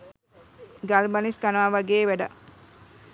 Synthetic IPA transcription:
ɡalbɐniskanaʋɐɡeːʋæɖə

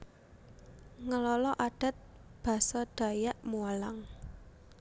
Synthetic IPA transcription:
ŋəlɔlɔʔaɖ̥a̤t̪̚b̥ä̤sɔɖ̥a̤jaʔmuəlaŋ

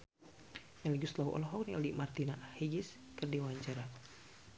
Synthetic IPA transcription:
naliɡust̪lauʔɔ̰lɔɦɔkniɔliʔmart̪inahiɡɪs | kɨrdiwaɲt͡ʃaɾa

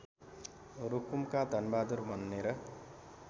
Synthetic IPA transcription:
rukumkad̪ʱʌnbad̪uɾbʱʌnːeɾʌ

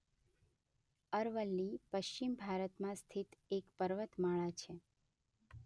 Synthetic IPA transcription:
əɾʋəlːipəʃt͡ʃimbʱaɾət̪mãst̪ʰit̪ekpəɾʋət̪maɭat͡ʃʰe

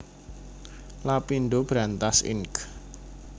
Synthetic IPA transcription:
lapinɖob̥ɾant̪asɪ̰ŋk

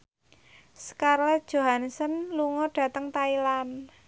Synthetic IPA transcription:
sə̥karlɛd̥ʒ̥o̤ɦansənluŋɔɖ̥ä̤t̪əŋt̪ailan

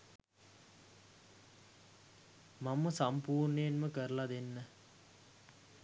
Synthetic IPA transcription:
mamːəsampuːrɳəjenməkəɾəlad̪enːə

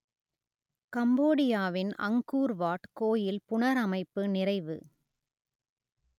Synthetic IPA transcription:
kɐmboːɽɪjaːʋɪnɐ̰ŋɡuːɾʋaːʈkoːjɪlpʊɳɐɾɐmɐɪpːɯnɪrɐɪʋɯ̰

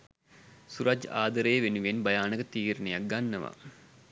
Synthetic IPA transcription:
suɾad͡ʒa̰ːd̪ɐɾeːʋenuʋenbɐjaːnəkət̪iːɾunejak̚ɡanːəʋa̰

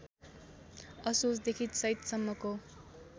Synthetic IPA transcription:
ʌsusd̪ekʰit̪sʌit̪sʌmːʌko

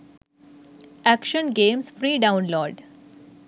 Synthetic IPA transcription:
ækʃə̃nɡẽːmsfɾiːɖãʊ̃nloːɾɖ

